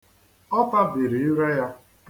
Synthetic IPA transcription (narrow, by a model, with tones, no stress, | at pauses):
ɔ˦pa˦bi˨ɾi˨ɪ˦ɾe˦ja˦